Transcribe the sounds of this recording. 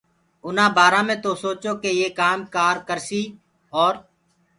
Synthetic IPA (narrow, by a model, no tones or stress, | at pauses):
ʊnãːbaːɾãːmẽːt̪oːsoːt͡ʃoːkeːjeːkaːmkaːɾkəɾsiː | ɔːɾ